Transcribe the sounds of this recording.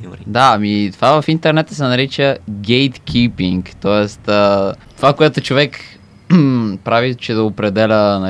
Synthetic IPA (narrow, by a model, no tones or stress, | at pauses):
d̪aɐmit̪ovavɐfint̪ɛɾnɛt̪ə̥sɛnɐɾit͡ʃəɡʲɛjt̪kʰʲipiŋkt̪ɔɛst̪ət̪ovakoɛt̪ot͡ʃovɛk | pɾavit͡ʃɛd̪ɐopɾɛd̪ɛlʲənɐ